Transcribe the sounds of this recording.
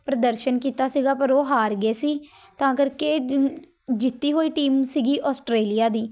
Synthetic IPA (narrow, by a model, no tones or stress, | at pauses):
pɾəd̪əɾʃənkiːt̪aːsiːɡaːpəɾoːɦaːɾɡeːsiː | t̪ãːkəɾkeː | d͡ʒɪt̪ːiːɦoːiːʈiːmsiːɡiːʔɔːsʈɾeːlijaːd̪iː